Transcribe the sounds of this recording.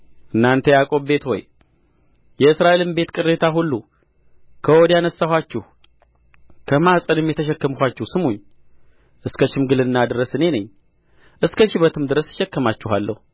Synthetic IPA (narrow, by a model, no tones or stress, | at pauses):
ʔɨnːant̪ʰəjakʼo̞βbe̞t̪ho̞̰j | jɛɨsɾaʔe̞lɨmbe̞t̪kʼɨrːe̞t̪ʰaɦulːu | kʰəwod̪janəsːahʷwʷat͡ʃːɪh | kʰəmasʼənɨmjɛt̪ʰəʃ̬ɛkːəmkʷat͡ʃːɪhsɨmuɲː | ʔɨskʰəʃɪmɡɨlɨnːad̪ɨɾəsɨne̞nəɲː | ʔɨskʰəʃɪβət̪ʰɨmd̪ɨɾəsʃɛkːəmat͡ʃːɪhalːə̰hu